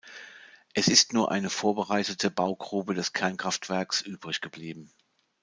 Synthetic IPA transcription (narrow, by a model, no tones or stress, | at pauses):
ʔɛsɪstnuːɐʔa̰ɪnəfoːɐbəʁaɪtətʰəbaʊɡʁuːbədɛskʰɛɐnkʁ̥aftv̥ɛɐksʔyːbʁɪçɡ̥əbliːbm̩